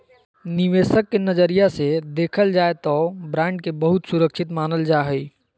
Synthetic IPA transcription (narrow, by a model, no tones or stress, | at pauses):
niʋesəkːenəd͡ʒəɾijased̪eːkʰəld͡ʒaet̪ɔbɾãɳɖ̚kebəɦut̪suɾəkʃʰit̪manəld͡ʒaɦəi